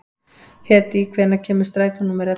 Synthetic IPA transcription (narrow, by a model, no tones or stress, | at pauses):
hɛt̪ikʰvɛnacʰɛːmʏ̥st̪ɾaːjt̪anumɛɾa